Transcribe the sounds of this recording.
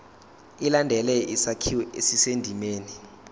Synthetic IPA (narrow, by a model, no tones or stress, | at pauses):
ilandʱɛlɛʔisakʰiwɛesisendʱimeːni